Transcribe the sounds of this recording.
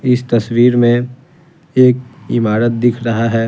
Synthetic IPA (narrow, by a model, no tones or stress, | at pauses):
ɪst̪ɐswiːɾmẽ | eːk̚ɪmaːɾət̪̚d̪ɪkʰɾɐɦaɦɛː